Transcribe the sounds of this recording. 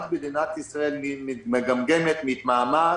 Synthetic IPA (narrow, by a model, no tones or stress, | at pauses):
t̪bed̪inat̪isʁaelmimimeɡamɡemet̪mit̪maːma